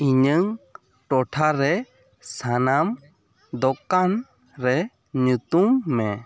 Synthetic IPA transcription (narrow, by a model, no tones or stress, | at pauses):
iɲəŋ | ʈɔʈʰaɾɛ | sanam | d̪ɔkan | ɾɛ | ɲut̪umːɛ